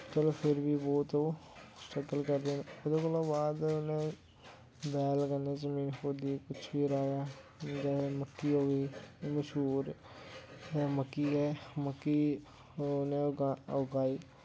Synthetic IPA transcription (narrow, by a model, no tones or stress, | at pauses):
t͡ʃəloːpʰɪɾbiːbɔːt̪osʈəkəlkəɾd̪eːneʊd̪eːkəlõːbaːd̪ʊnẽː | bɛːlkənːeːzəmiːnkoːd̪iekʊt͡ʃʰbiːɾaːɡaː | d͡ʒɛːeməkːiːɦoːɡiːməʃɦuːɾ | məkːiːɡɛːməkːiː | nẽːʊɡaːiː